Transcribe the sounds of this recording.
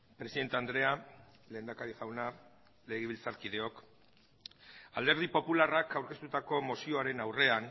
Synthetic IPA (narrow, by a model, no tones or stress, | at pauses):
pɾe̞siðe̞nt̪e̞and̪ɾe̞a | le̞ːnd̪akaɾiʝawna | le̞ɣ̞eβilt͡saɾkiðe̞o̞k | a̰ld̪e̞ɾð̞ipo̞pularakawɾke̞st̪ut̪ako̞mosio̞aɾe̞nawre̞an